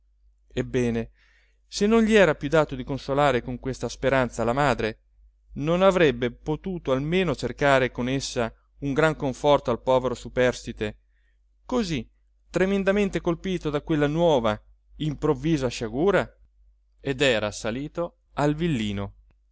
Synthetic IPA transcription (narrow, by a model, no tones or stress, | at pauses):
ebːɛːne | senːonʎiɛːɾapjud̪aːt̪od̪ikonsolaːɾekoŋkwest̪aspeɾant̪salamaːd̪ɾe | nonavɾɛbːepot̪uːt̪oalmeːnot͡ʃerkaːɾekonesːa | uŋɡɾaŋkoɱfɔrt̪oalpɔːveɾosupɛrst̪it̪e | kozi | t̪ːɾemend̪ament̪ekolpiːt̪od̪akwelːanwɔːva | impɾovːiːzaʃaɡuːɾa | ed̪ɛːɾasaliːt̪o | alvilːiːno